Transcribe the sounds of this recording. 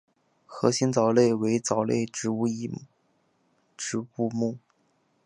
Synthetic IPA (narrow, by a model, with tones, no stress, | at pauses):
xɤ̰˧˥ɕi˧˥nt͡sɑ˨˩ʊle˥˩ɪwe˧˥ɪt͡sɑ˨˩ʊlḛ˥˩ɪʈ͡ʂɻ̩˧˥u˥˩i˧˥˩ | ʈ͡ʂɻ̩˧˥u˥˧mu˥˩